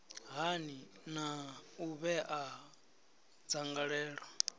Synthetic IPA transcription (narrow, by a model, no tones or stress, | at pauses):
ɦani | nauβɛʔa | d͡zaŋɡaɺɛːɺɔ